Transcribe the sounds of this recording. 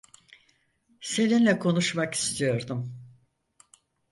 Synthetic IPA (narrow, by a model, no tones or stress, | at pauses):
se̞ninlʲɛkʰo̞nuʃmaki̥st̪ʰijo̞ɾd̪um